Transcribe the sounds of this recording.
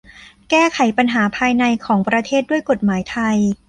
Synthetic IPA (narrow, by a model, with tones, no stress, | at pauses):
kɛː˥˩kʰa˩˦jpa˧nɦaː˩˦pʰaː˧jna˧jkʰɔː˩˦ŋpɾa˧t̪ʰeː˥˩t̪̚du˥˩əjko˨˩t̪̚maː˩˦jt̪ʰa˧j